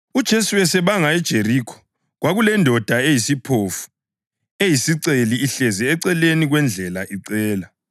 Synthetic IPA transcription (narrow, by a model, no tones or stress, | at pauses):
ud̥ʒ̥ʱesuwɛsɛβaŋaɛd̥ʒ̥ʱerikʰɔ̥ | ɣwaɣulɛndʱɔd̥ʱaejisipʰofu̥ | ejisiǀeliːɬɛzɛːǀɛleniɣwɛnd͡ɮʱɛla̰ʔiǀɛːla